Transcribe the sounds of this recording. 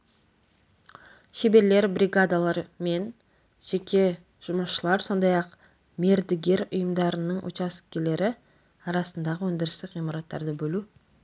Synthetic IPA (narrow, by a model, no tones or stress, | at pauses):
ʃe̞be̞ɾle̞ɾbɾʲiɡad̪alˠɑɾme̞n | ʒ̥e̞kʲʰe̞ | ʒ̥ʊməsʃəlˠɑɾso̞nd̪ɑjɑq | me̞ɾd̪ɪɡʲe̞ɾʊ̰jəmd̪ɑɾənəɴʔo̰t͡ʃɑskʲele̞ɾɪ | ɑɾɑsənd̪ɑʁəwɵnd̪ɪɾɪst̪ɪkijmɑɾɑt̪ːɑ̰ɾd̪əbɵlu